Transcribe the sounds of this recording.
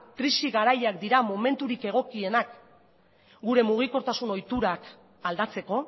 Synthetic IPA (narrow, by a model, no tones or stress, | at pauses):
kɾisiɣaɾajakd̪iɾamo̞me̞nt̪uɾike̞ɣ̞o̞kie̞nak | ɡuɾe̞muɣ̞iko̞ɾt̪asuno̞jt̪uɾak | ald̪at͡se̞ko̞